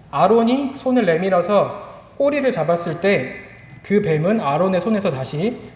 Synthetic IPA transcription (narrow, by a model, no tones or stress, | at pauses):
aɾoɲisʰonɯɭːe̞miɾʌsʰʌ | k͈oɾiɾɯɭt͡ɕabas͈ɯɭt͈e̞ | kɯpe̞mɯnaɾone̞sʰone̞sʰʌtaɕʰi